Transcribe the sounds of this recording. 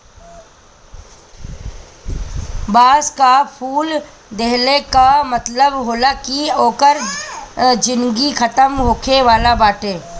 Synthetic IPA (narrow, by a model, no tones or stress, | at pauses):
baːskapʰuːl | d̪eɦlekamət̪ləbɦoːlakioːkəɾ | d͡ʒɪnɡikʰət̪əmɦoːkʰeʋaːlabaːʈeː